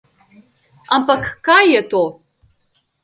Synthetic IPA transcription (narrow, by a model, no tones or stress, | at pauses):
ampɐkʰkajɛt̪ʰo